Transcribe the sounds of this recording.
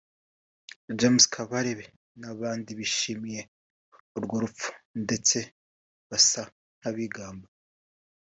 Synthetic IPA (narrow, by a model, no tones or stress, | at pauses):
d͡ʒemskʰaβaɾe̞βe̞ | naβaːndiβiʃimije̞ | oɾɡoɾup͡fu̥nde̞t͡se̞ | βasa | n̥haβiɡaːmba